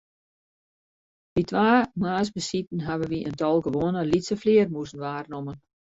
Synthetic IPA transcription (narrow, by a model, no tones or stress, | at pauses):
ʋitʰʋaːmaːsbəsitn̩ɦaʋəʋiʔəntɔlˠɡəʋoənəlitsəflɪərmuəsənʋaːrnomən